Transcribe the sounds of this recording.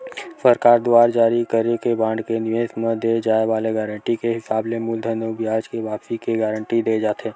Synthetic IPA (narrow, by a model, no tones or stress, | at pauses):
səɾkaːɾd̪ʊaːɾd͡ʒaːɾikəɾekebãːɳɖkenɪẽsmẽd̪ed͡ʒaːeʋaːleɡɛːɾə̃ɳʈikeɦɪsaːblemʊld̪ʱənobijaːd͡ʒkeʋaːpsikeɡɛːɾə̃ɳʈid̪eːd͡ʒaːt̪ʰeː